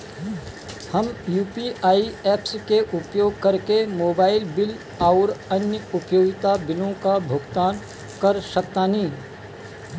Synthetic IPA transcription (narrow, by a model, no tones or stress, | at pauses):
həmjuːpiʔaːieːpskeʔʊpjoːɡ̚kɐɾkemoːbaːɪlbɪl | aːɾənjəʊpjoːɡt̪abɪlõkabʱʊɡt̪aːn | kɐɾsək̚t̪aːnĩː